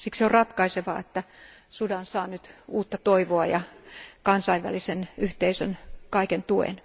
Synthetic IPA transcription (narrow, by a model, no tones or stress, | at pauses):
sikseorrɑt̪kɑiseʋɑ̰ːet̪ːæsudɑnsɑːnyt̪uːt̪ːɑt̪oiʋoɑjɑkɑnsɑiʋʋæ̰lisenyht̪eisønkɑikent̪uḛn